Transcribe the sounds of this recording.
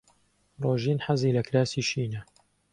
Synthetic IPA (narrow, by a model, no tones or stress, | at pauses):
roːʒiːnħaziːlɐklaːsiːʃiːnɐ